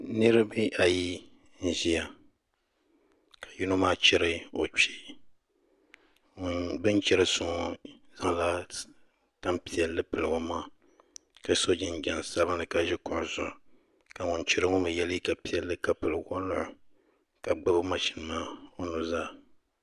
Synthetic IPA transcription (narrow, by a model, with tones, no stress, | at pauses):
nɨ˦ɾɨ˦bi˦ʔa˨ji˦ | n̩˨ʒi˦a˨ | kḁ˨ju˦no˦maː˦t͡ʃɛ˦ɾɨ˦o˨t͡ʃi˦˨ | bɨ˦n˦t͡ʃɛ˦ɾɨ˦sʊ˨ŋ˨ | za˦ŋla˦ | ta˦mpi˨ɛ˨lːɨ˦pɨ˨lɨ˨ŋo˦maː˦ | ka˦so˦d͡ʒɪ˨n˨d͡ʒɛ˨n˨sa˦βa˦nɨ˨ka˨ʒɪ˦kʊ˨ʔʊ˨zʊ˨ | ka˨ŋʊ˨nt͡ʃɛ˦ɾɨ˦ŋʊ˦mɨ˨jɛ˦lɨ˦ka˨pi˨ɛ˨lːɨ˦ka˨pɨ˨lɨ˨ɡɔ˦lʊ˦ʔʊ˨ | ka˨ɡ͡bɨ˦bɨ˦ma˨ʃi˨˦nɨ˨maː˦o˦nu˨zaː˦